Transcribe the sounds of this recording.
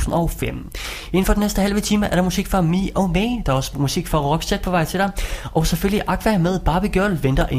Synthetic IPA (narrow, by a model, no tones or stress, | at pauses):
n̩ɒʊfem̰ | e̝n̩fɒ̽dinesd̥əhælʋət͡sʰiːməʔæɐɾ̥ɑ̈musiɡ̥fɑ̈miʔɒmeːd̥ɑɒsmusiɡ̥fɒʁɒ̽ɡ̥sed̥̚pʰɒ̽ʋɑ̈ɪ̰t͡sʰe̝ɾ̥ɑ̈ɪʔɒ̽seføl̰iʔɑ̈ɡ̥ʰʋæmeð̞ˠb̥ɑ̈ːb̥iɡ̥jœɐ̰lʋend̥ɐʔe